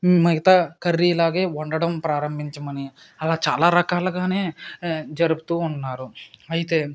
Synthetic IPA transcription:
mɐɡɐt̪akɐrːilaːɡe̞ːuɳɖɐɽɐmpɾaːɾɐmbʱiɲt͡ʃɐmɐni | ɐlaːt͡ʃa̰ːlaːɾɐkaːluɡaːne̞ːd͡ʒɐɾubu̥t̪uːnːaːɾuɐjit̪e̞ː

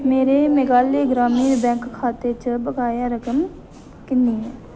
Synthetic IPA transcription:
meːɾeːmeɡaːleːɡɾaːmiːɾbɛ̃ːŋkkʰːaːt̪eːt͡ʃəbəɡaːjaːɾəkəm | kɪnːiːɦɛː

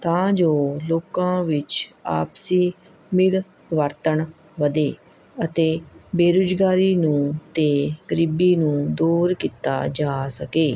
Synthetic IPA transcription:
t̪ãːd͡ʒoːloːkãːʋɪt͡ʃa̰ːpsiː | mɪl | ʋəɾt̪əɳ | ʋəd̪eː | ət̪eːbeːɾoːd͡ʒɡaːɾiːnũːt̪eːɡəɾɪbiːnũːd̪uːɾkiːt̪a̰ːd͡ʒaːsəkeː

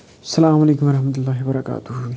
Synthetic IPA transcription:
sːɐlaːmalejkumwɐɾˤɑħmɐt̪ulːaːɦwbɐɾˤɑkʼa̰ːt̪ʰuh

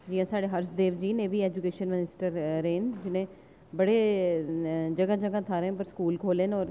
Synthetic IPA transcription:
d͡ʒiːãːsaːɽeːɦəɾsd̪eːʋd͡ʒiːneːbiːɛːd͡ʒʊkeːʃənmɪnɪsʈəɾɾeːnd͡ʒɪnẽː | bəɽeː | d͡ʒəɡad͡ʒəɡãːt̪ʰaːɾẽpəɾskuːlkʰoːlenɔːɾ

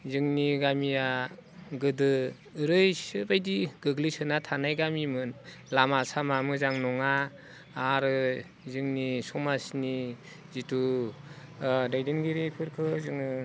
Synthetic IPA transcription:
zɯŋniɡamija | ɡɯdɯ | ɾɯjsɯbajdiɡɯɡlisɯnatʰanajɡamimɯnlamasamamɯzaŋnɔŋaː | ɾɯ | zɯŋnisɔmasni | zitu | dajdɯnɡiɾipʰɯɾkʰɯzɯŋɯ

